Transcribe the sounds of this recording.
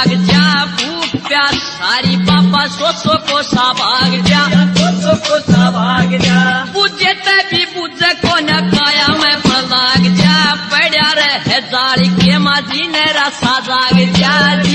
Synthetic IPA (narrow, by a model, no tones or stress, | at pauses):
ɡd͡ʒaːbuːpʰpjaːsaːɾiːbaːpãːsoːsoːkoːsaːbʱaːɡd͡ʒjaːooabaɡabud͡ʒeːt̪ɛbʱiːbud͡ʒɛːkoːnãːkaːjaːmɛ̃pəlaːɡd͡ʒjaːbɛːɽjaːɾɛɦɛzaːlikeːmãːd͡ʒiːnɛːɾasaːd͡ʒaːɡd͡ʒjaː